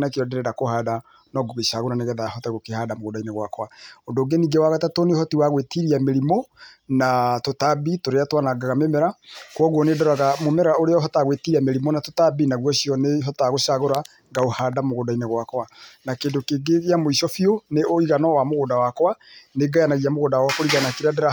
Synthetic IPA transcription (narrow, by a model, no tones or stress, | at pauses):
nakeɾɔdeɾɛɾakohaːda | nɔɡoɣeʃaɣoɾaneɣɛðahɔtaɣokehaːdamoɣoːdaineɣwakwaondoɡeniːɡewaɣatatonehɔtiwaɣwetiɾiameɾimɔ | natotabitoɾeatwanaɡaɣamemɛɾakwɔɣwɔnedɔɾaɣamomɛɾaoɾeɔɦɔtaɣwetiɾiameɾimɔnatotabinaɣwɔɕiɔneɦɔtaɣoʃaɣoɾa | ɡaohadamoɣoːdaineɣwakwanakeːdokeɡeɣeamoiʃɔfioneoiɣanɔwamoɣodawakwaneɡajanaɣiamoɣoːdawaakoɾiɣanakiɾadaɾa